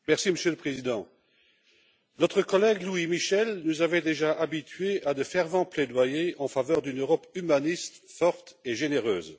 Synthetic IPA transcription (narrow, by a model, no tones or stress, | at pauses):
mɛʁsiməsjøləpχezid̪ɑ̃ | nɔt̪χəkɔlɛɡluimiʃɛlnuzavɛd̪eʒaʔabit̪ʰɥead̪əfɛʁvɑ̃pled̪wajeɑ̃favœʁd̪ynøʁɔpymanist̪fɔʁt̪eʒeneʁø̰ːz